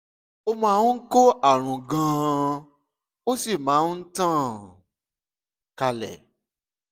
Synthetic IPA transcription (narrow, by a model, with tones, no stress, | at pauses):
o˧mã˧˦˧ko˦ʔa˦˨ɾ̃ũ˨ɡã˨˧ | o˦si˦˨mãː˨˦n̩˦tã˦˨ | ka˧lɛ̰˨